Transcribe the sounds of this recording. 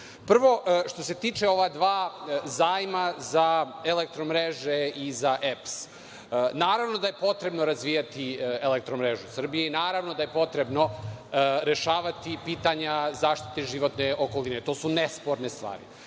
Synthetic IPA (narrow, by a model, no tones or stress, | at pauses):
pr̩ʋo̞ʃt̪o̞se̞t̪iːt͡ʂeo̞ʋad̪ʋaːzaːjmazaelek̚t̪ɾomɾeʒeizaʔeps | naːɾaʋno̞d̪ajepo̞t̪ɾe̞bno̞ɾazʋijat̪ielek̚t̪ɾomɾeʒusr̩bijeinaːɾaʋnod̪aje̞po̞t̪ɾe̞bno̞ | ɾe̞ʃaːʋat̪ipiːt̪aɲazaːʃt̪i̥t̪eʒiʋo̞t̪neʔoko̞linet̪oːsunespo̞ɾnest̪ʋa̰ːɾḭ